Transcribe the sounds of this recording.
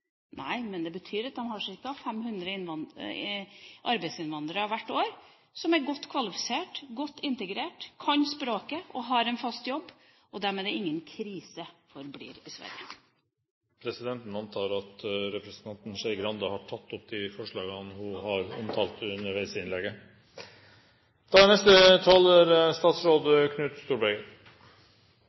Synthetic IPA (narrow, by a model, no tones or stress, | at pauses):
nʔæɪmɛnd̪ɛbət̪ʰyːɾɑt̪̚d̪ɛmhɑʂɪkːɑfɛmhʉnd̪ɾəɪnʋɑn | ʔɑɾbæɪsɪnʋɑnd̪ɾəɑʋʋæʈːoːɾ | sɔmæɾɡɔt̪ːkʰʋɑlɪfɪ̥seːʈɡɔt̪ːɪnt̪əɡɾeːʈkʰɑnspɾoːkəʔɔɦɑɾɛnfɑst̪jɔbː | ʔɔd̪æɾmeːd̪ɛɾɪŋːənkʰɾiːsəfɔɾblḭːɾɪsʋæ̰ɾjə̰ | pʰɾɛsɪd̪ɛnt̪n̩ɑnt̪ʰɑːɾɑt̪ɾɛpɾəsnt̪ʰɑnt̪n̩ʃɛɪɡɾɑnd̪ɑhɑʈʰɑt̪ːɔpd̪ɪfɔʂɭɑːɡənhʊhɑɾɔmt̪ʰɑːlt̪ʉnːəɾʋæɪsəɪnlɛɡə | d̪̥ɑːnɛst̪ət̪ʰɑlæɾst̪ɑːt̪sɾoːd̪kʰnʉːt̪st̪uːɾbɛɡə